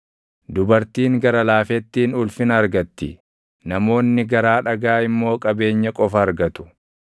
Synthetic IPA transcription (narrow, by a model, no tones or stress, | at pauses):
d̪ʊbɐɾt̪iːŋɡɐɾɐlaːfɛt̪ːiːnʊlfɪnɐːɾɡɐt̪ːɪ | nɐmo̞ːnːɪɡɐɾaːᶑɐɡaːɪmːo̞ːkʼɐbe̞ːɲːɐkʼɔfɐːɾɡɐt̪ʊ̥